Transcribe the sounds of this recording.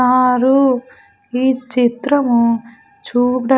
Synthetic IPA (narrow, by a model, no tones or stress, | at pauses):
aːɾu | iːt͡ʃit̪ɾɐmu | t͡ʃuːpɽɐ